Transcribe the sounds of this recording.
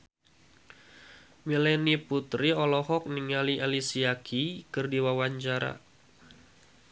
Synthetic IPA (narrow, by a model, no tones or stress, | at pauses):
milɛniput̪ɾiɔlɔhɔk̚niŋaliʔalisiakʰikɨrdiwawaɲt͡ʃaɾa̰